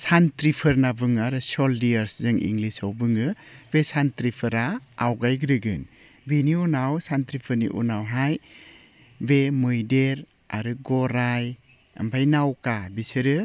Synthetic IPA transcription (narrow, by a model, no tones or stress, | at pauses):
santɾipʰɯɾnabɯŋaɾɯsɔldijaɾszɯŋḭŋlisawbɯŋɯb̥esantɾipʰɯɾaːwɡajɡɾɯɡɯn | beniunawsantɾipʰɯɾnḭʔṵnawɦaj | bemɯjdeɾ | a̰ɾɯɡɔɾaj | a̰mpʰajnawkabisɯɾɯ